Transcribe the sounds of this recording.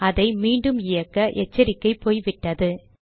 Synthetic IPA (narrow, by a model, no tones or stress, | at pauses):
ɐðɐɪmiːɳɖɯmɪjɐkːɐʔɛt͡ʃːɐɾɪkːɐɪpːoːjʋɪʈːɐðɯ